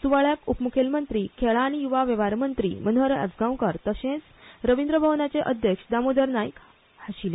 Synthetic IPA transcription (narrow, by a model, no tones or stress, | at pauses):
suʋaɭjakupmukʰelmənt̪ɾiːkʰeɭaːɽ̃ijuʋaʋeʋaɾmənt̪ɾḭːmənɦəɾa̰d͡zɡãwkəɾt̪əɕẽt͡s | ɾəʋind̪ɾəbʱəʋnat͡seʔəd̪ʱjəkʂd̪amod̪əɾnajik | haɕile